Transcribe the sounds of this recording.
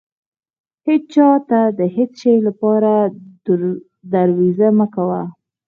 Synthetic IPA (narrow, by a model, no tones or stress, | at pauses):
het͡st͡ʃɑt̪ad̪əhet͡sʃəjlapɑɾad̪ | d̪aɾwizaməkawa